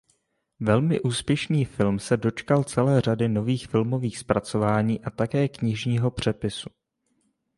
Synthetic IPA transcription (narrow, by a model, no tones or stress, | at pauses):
vɛlmɪʔuːspjɛʃniːfɪlmsɛdo̞t͡ʃkalt͡sɛlɛːr̝adɪno̞viːxfɪlmo̞viːxspɾat͡so̞vaːɲiːʔat̪akɛːkɲɪʒɲiːɦo̞pr̝̥ɛpɪsu